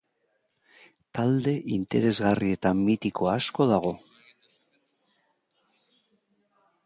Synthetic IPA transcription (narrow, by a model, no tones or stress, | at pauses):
t̪ald̪e̞ʔint̪e̞ɾe̞zɣarie̞t̪ammit̪ikʰo̞asko̞ðaɣ̞o̞